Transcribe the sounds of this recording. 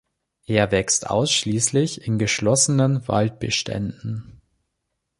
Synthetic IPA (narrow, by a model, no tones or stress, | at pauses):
ʔeːɐvɛkstʔa̰ʊsʃliːslɪçɪnɡəʃlɔsənənva̰lt̚b̥əʃtʰɛ̰ndn̩